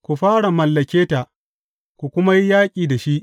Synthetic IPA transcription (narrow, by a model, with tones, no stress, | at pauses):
kʷu˨ɸaː˦ɽa˨mɐ˨lːɐ˨kʲeː˦ta˨ | kʷu˨kʷʊ˦ma˦ji˦jaː˦kʲʼiː˨da˨ʃi˦ʔ